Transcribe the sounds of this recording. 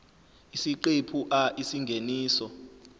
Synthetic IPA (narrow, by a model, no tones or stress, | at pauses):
isiǃepʰuʔaʔisiŋɡʱeniːsɔ